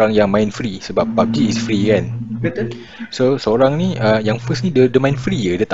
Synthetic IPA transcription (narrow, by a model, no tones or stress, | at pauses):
aŋjaŋmãj̃nfɾisəbap̚bap̚diːsfɾikan | sosəoɾaŋnĩʔəjaŋfəsnĩdədəmãjĩnfɾijədət̪a